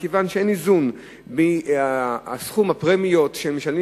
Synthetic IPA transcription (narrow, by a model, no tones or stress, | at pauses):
kevanʃeenizun | biasχumapʁemijo̞t̪ʃelmeʃali